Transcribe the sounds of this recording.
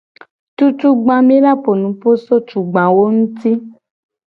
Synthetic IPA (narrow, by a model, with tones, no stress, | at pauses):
tu˧tu˧ɡ͡bã˧mĩ˦la˦po˨nũ˨˦po˦so˦tu˨ɡ͡bã˨wo˦ñ̩˦ti˦